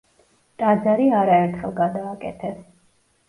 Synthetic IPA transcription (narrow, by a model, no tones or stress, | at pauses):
t̪ʼad̪zaɾiaɾaɛɾt̪ʰχɛlˠɡad̪aːkʼɛ̰t̪ʰɛs